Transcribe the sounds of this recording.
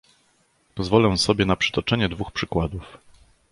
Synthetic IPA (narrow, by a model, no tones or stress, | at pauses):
pɔzvɔlɛw̃sɔbʲjɛnapʂɘ̥t̪ɔt͡ʂɛɲɛd̪vuxpʂɘkwad̪uf